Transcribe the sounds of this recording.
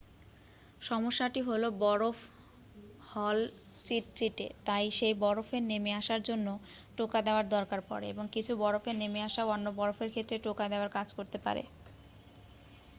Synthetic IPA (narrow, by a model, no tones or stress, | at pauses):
ʃɔmoʃːaʈiɦolobɔɾof | hɔl | t͡ɕiʈ̚t͡ɕiʈḛt̪ajʃejbɔɾofenemeaʃaɾd͡ʑonːo | ʈokad̪eoaɾd̪ɔɾkaɾpɔ̰ɾeḛboŋkit͡ɕʰubɔɾofenemeaʃaoonːobɔɾofeɾkʰet̪ːɾeʈokad̪eoaɾkad͡ʑkoɾt̪epa̰ɾḛ